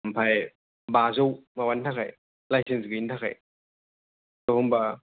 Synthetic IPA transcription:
mpʰaj | bazowmawantʰakʰa̰j | lajsensɡɐintʰakʰa̰j | tohɔmbɐ

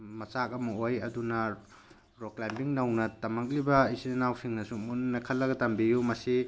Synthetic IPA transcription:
mɐt͡ʃakɐmɐojɐdunɐ | ɾoklajmbiŋnɐwnɐtɐmɐk̬̚libɐisinenawpʰiŋnɐsumunnːɐkʰɐlːɐɡɐtɐmbijumɐsi

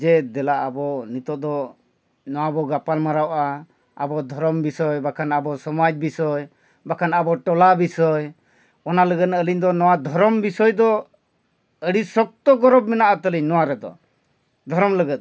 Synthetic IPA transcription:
d͡ʒɛd̪ɛlaʔabɔnit̪ɔd̪ɔ | nɔwabɔɡapalmaɾawʔa | a̰bɔd̪ʱɔɾɔmbisɔjbakʰanabɔsɔmad͡ʒbisɔj | bakʰanabɔʈɔlabisɔj | ɔnaləɡət̪̚naəliɲd̪ɔnɔwad̪ʱɔɾɔmbisɔjd̪ɔ | əɽisɔk̚t̪ɔɡɔɾɔbmɛnaʔat̪əliɲnɔwaɾɛd̪ɔ̰ | d̪ʱɔɾɔmləɡɛt̪̚

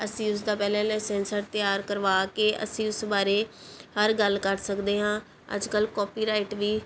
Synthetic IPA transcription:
əsĩːʊs̬d̪aːpɛːlɛ̃ːlɛːsɛ̃ːnsəɾt̪ɪjaːɾkəɾʋaːkeːʔə̰sĩːʊsbaːɾeːhəɾɡəlkəɾsəkd̪eːɦãː | ə̰d͡ʒkəlkɔːpiːɾaːɪʈʋiː

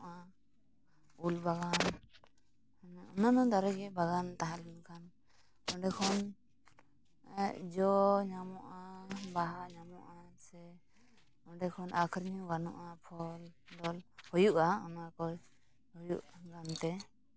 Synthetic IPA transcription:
ʔa | ulbaɡan | nɔnanɔ̃d̪aɾɛɡɛbaɡant̪aɦãlɛnkʰan | ɔɖɛkʰɔn | d͡ʒɔɲamɔʔabaɦaʔɲamɔʔasɛ | ɔɖɛkʰɔnʔakʰɾɲũɡanɔ̰̃ʔapʰɔld̪ɔlhɔjuʔaɔnakɔj | hɔjuʔɡamt̪ɛ

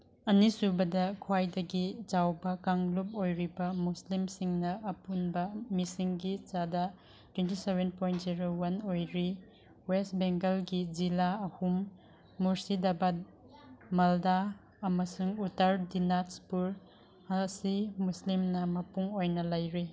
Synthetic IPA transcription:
ɐnisubɐdɐkʰwajdɐɡid͡ʒawbɐkaŋlup̚ojɾibɐmuslimsiŋnɐɐpunbɐmisiŋɡit͡ʃadɐ | twentisebenpʰojntziɾowɐnojɾi | westbeŋɡelɡid͡ʒilaɐhumː | uɾsidabɐ | mɐlda | ɐmɐsuŋutaɾdinatspuɾ | ɐsimuslimnɐmɐpuŋojnɐlɐjɾi

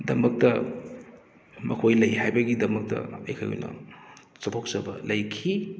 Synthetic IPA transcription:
dɐmɐk̚tɐ | mɐkʰojlɐjhajbɐɡidɐmɐk̚tɐ̰ɐjkʰajɦo̰jnɐ̰sɐtʰok̚sɐbɐlɐjkʰi

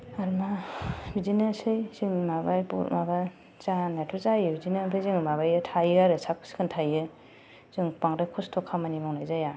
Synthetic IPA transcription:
aɾmabizinasɯjzɯŋmabajpɔ̰ɾmaba | zanatʰuzajɯbizinampʰɯjzɯŋmaβajɯtʰajɯaɾɯsak̚ʰskʰɯntʰajɯ | z̥ɯŋpaŋɾakʰɔstʰɔkʰamanimawnajzaja

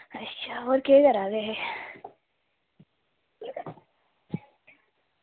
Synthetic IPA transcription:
ɐtːʃʰaɔːɾkekɐɾaːɡeɦɛ

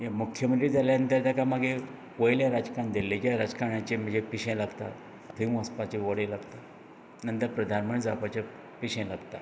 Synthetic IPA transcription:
jamukʰjəmənt̪ɾid͡zaljaənt̪aɾt̪akamaɡe | kojljaɾad͡zkaɳd̪elːekjaɾad͡zkaɾɳãt͡ɕem̤əd͡ʑepiɕẽlaɡt̪a̰ | t̪ʰəjũəspat͡ɕeʋəɽelaɡt̪a | nənt̪əɾpɾəd̪ʱanmə̃d͡zapat͡ɕe | piɕẽlaɡt̪a̰

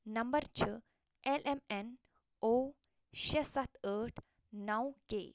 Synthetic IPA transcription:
nɐmbəɾt͡ɕə | ɛlʔemɛn | o | ɕesɐt̪ʰəʈ | nawkḛ

